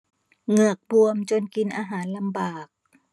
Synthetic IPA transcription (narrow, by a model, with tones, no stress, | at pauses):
ŋɯ˨˩ək̚bu˧əmt͡ɕo˧nki˧nʔaː˧ɦaː˩˦nla˧mbaː˨˩k̚